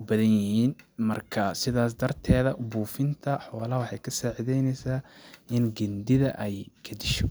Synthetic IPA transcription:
ʊbɐðɐnjɪhiːnmɐrkʰɐsɪðaːs̬d̪ɐrt̪ʰɛːðɐbuːfɪnt̪ʰɐħɔːlɐwɑħɑjkʰɐsaːʕɪðɛjnɛjsaːʔɪnɡɐnd̪ɪðɐ̰ʔɛjkʰɐd̪ɪʃɔ

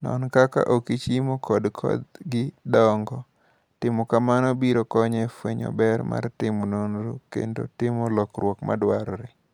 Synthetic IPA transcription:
nɔ̰nkaka̰ʔokit͡ʃimokʰɔdkʰɔ̰d̪ɡɪdɔŋɡɔ | tɪmɔkamanɔbiɾokɔɲɛfweɲɔ̰bɛrma̰rtɪmononɾokḛndo̰tɪmolɔkɾwɔkma̰dwaɾɾe

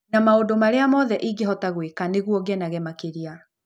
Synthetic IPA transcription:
namaodomaɾeamɔðɛʔiɡɛɦɔtaɣwekaneɣuɔɡɛnaɣɛmakeɾia

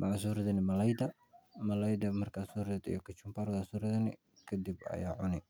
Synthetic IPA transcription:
mɑʕas̬uːɾɐðɐnɪmɐlɐjd̪ɐ | mɐlɐjd̪ɐmɐrkʰasuːɾɐðɐd̪ḭjɔkʰɐt͡ʃʊmpaɾɣasuːɾɐðɐnɪ̰ | kʰɐd̪ibɐ̰ja̰ːʕʊnɪ

